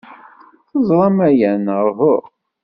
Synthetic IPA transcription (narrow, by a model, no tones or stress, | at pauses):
θəzˤɾˤɑmæjænʁvʊɾ